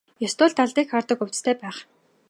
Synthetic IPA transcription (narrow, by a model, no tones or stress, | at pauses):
jɔst̪ʊːɮt̪aɮt̪iːkχart̪ə̆kɵw̥t͡sst̪ʰeːpæːχ